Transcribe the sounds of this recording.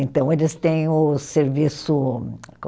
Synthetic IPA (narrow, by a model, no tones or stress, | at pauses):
ẽnt̪ɐ̃w̃elɪst̪ẽj̃ʊseɾvisʊk